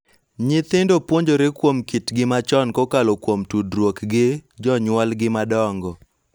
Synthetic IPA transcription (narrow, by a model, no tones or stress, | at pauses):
ɲɪt̪ɪndopwoɲd͡ʒoɾekwomkitɡɪmat͡ʃɔnkokalokwomtudɾwokɡɪd͡ʒɔɲwɔlɡɪmadɔŋɡɔ